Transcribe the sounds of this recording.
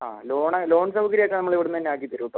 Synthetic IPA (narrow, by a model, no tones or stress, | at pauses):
a̰ːlo̞ːɳɐlo̞ːɳsɐbɐkɐɾijokːenɐmːɐɭiʋiɽunːt̪ɐnːeaːk̬ːit̪iɾuuʈːɐ